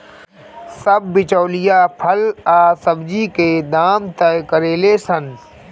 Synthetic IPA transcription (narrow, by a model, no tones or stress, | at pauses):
sɐb̚ːɪt͡ʃoːlɪjaːpʰɐlaːsɐbd͡ʒiːkeːd̪aːmt̪ɐkəɾeːleːsən